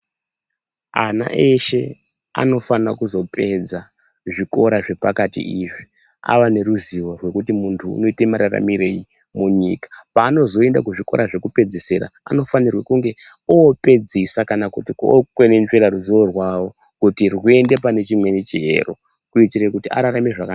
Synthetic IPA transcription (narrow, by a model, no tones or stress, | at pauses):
a̰na̰ʔeʃe̞ | a̰no̞fanakuzo̞pʰe̞d͡za | ʐiko̞ɾaʐe̞pakatḭiʐi | a̰ʋane̞ɾuziʋo̞rwe̞kutimuntʰṵːno̞ite̞maɾara̰miɾei | muɲḭkḁpaːno̞zo̞e̞ndakuʐiko̞̰ɾaʐe̞kupe̞d͡ziseɾa̰a̰no̞fanirwakuŋɡe̞ | ope̞d͡zisakanakutiko̰kwenenʐeɾaɾuziwo̞rwawo̞ | kutirwue̞nde̞p̬ane̞t͡ʃimwe̞nit͡ʃiɦḛro̞̰ | kuitirekutiaɾaɾameʐaka